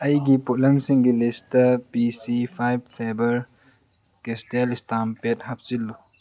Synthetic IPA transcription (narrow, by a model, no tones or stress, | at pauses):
ɐjɡipulɐmsiŋɡilistɐpisipʰajb̚fʰabɐɾ | kestelistampetɦɐp̚silːu